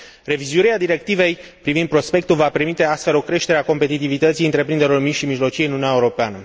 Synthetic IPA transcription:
re̞vizuiɾead̪iɾe̞k̚t̪ive̞jpɾivind̪pɾo̞spe̞kt̪ulvape̞rmit̪e̞ast̪fe̞lo̞kɾe̞ʃt̪e̞ɾeako̞mpe̞t̪it̪ivit̪ət̪sijɨnt̪ɾe̞pɾind̪eɾlormiʃimiʒlo̞t͡ʃijeɨnununjaeuɾo̞peanə

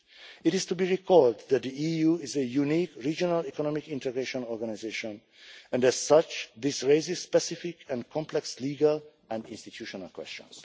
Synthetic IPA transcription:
ɪtɪzt̪ubiːɹikʰɔld̪d̪æt̪̚d̪iiːjuːɪzəjuniːkɹiːd͡ʒonalikɔnɔmikĩnt̪ɛɡɹeʃɔ̃nɔɹɡanizeʃɔ̃n | ɛ̃ndɛz̥sʌt͡ʃd̪ɪsɹeɪzɪz̥spɛsifɪkʰɛ̃nkʰɔ̃mplɛksliːɡal | ɛ̃ndĩnst̪it̪ʰjuʃona̰lkwɛ̰st͡ʃɔ̰̃ns

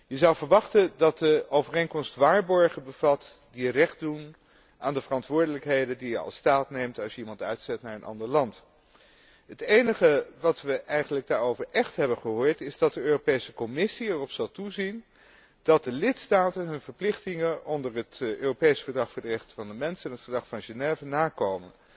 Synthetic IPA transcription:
jəzɑwvəɹʋɑχtəndɑt̚dəowvərejnkɔmstʋaːɹbɔɹχənbəv̥ɑtdirɛχtdun | ʔa̰ːndəvərɑntʋʊːɹdələkɦejdəndijəɑ̰lˠstaːtnejmtɑlˠsjəimɑntœ̰ɥtsɛtnaːɹənʔɑ̰ndəɹlɑnt | ɦətejnəχəʋɑtʋəʔɛjχənləɡ̚daːɹowvəɹʔɛχtɦɛbənχəɦʊːɹtɪzdɑt̚dəøːropejsəkɔmɪsiɛrɔpsɑlˠtuzin | d̥ɑt̚dəlɪtstaːtənɦɵnvəɹplɪχtɪŋəʔɔndəɹətøːropejsfəɹdrɑχfʊːɹdərɛχtə̥vɑndəmɛnsɛnətfəɹdrɑχfɑnʒenɛːvənaːkowmən

